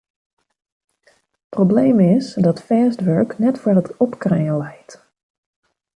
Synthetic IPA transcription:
probleːmɪsdɔtfɛːstʋøɹknɛtfərətɔpkrɛːəlɛjt

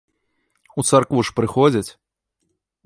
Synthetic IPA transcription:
ut̪sarkvuʂpɾɨxɔd͡zʲɐt͡sʲ

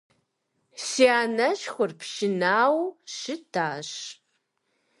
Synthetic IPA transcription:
siaːnɐɕxʷʊrpʰʃɪnaːwɕɪdʰaːɕ

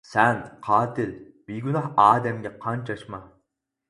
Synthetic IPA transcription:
sɛnqʰɑːt̪ʰɪl | biɡʲynɑɦɑːd̪ɛmɡʲɛqʰɑnt͡ʃʰɑʃmɑ

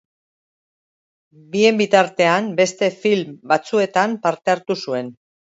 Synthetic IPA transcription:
bie̞mbit̪aɾt̪e̞ambe̞st̪e̞filmbat͡sue̞t̪ampaɾt̪e̞aɾt̪usue̞n

